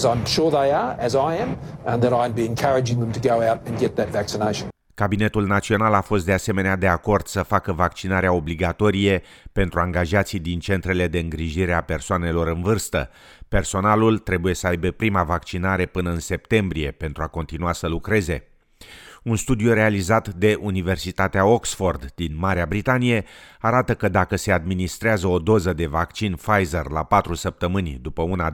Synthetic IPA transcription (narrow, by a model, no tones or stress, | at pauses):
zãɪ̃mʃʊɹðeɪə˞ɨzaɪɨ̃mə̃nðəɾãɪ̃nbiɨ̃nkʰɜɹɨd͡ʒɪ̃ŋðə̃mtʰɨɡoʊaʊɾɨ̃nɡɛt̪̚ðɨtvæksɨneɪʃn | kabine̞t̪ulnat̪sio̞nalafo̞st̪̚d̪ease̞me̞nead̪e̞ako̞rd̪̥səfakəvak̚t͡ʃinaɾeao̞bliɡat̪o̞ɾije̞pe̞nt̪ɾuaŋɡaʒat̪sijd̪int͡ʃe̞nt̪ɾe̞le̞d̪e̞ɨŋɡɾiʒiɾe̞ape̞rsoane̞lo̞ɾɨnvɨrst̪ə̰ | pe̞rso̞nalult̪ɾe̞buje̞səajbe̞pɾimavak̚t͡ʃinaɾe̞pɨnəɨnse̞p̚t̪e̞mbɾije̞pe̞nt̪ɾuako̞nt̪inuasəlukɾe̞ze̞ | unst̪ud̪ijure̞alizat̪d̪e̞ʔunive̞rsit̪at̪eao̞ksfo̞rd̪d̪inmaɾeabɾit̪anije̞aɾat̪əkəd̪akəse̞ad̪minist̪ɾeazəo̞d̪o̞zəd̪e̞vakt͡ʃinfajzerla̰pat̪ɾusəp̚t̪əmɨnʲd̪upəuna